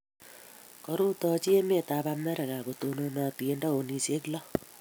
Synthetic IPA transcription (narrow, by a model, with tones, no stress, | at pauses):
kɔ˨ɾu˦t̪ɔ˦t͡ʃi˦e˦me˦˨ta˨ba˧mɛ˦ɾɛ˨ɣa˨ko˨to˨no˧nɔ˨ti˨e˦ndɔ˦o˨ni˨se˦klɔ˦